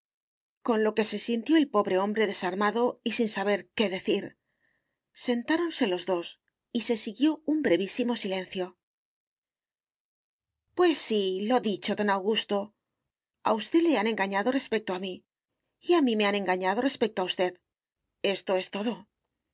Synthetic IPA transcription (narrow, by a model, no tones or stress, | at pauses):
ko̞nlo̞ke̞se̞sint̪jo̞e̞lpo̞βɾe̞õ̞mbɾe̞ðe̞saɾmaðo̞isinsaβ̞e̞ɾke̞ðe̞θiɾ | se̞nt̪aɾo̞nse̞lo̞zðo̞s | ise̞siɣjo̞umbɾe̞βisimo̞silẽ̞n̟θjo̞ | pwe̞sːilo̞ðit͡ʃo̞ðo̞nawɣust̪o̞ | a̰ust̪e̞ðle̞anẽ̞ŋɡaɲaðo̞re̞spe̞k̚t̪oamiː | amĩme̞anẽ̞ŋɡaɲaðo̞re̞spek̚t̪oaust̪e̞ð | e̞st̪o̞e̞st̪o̞ðo̞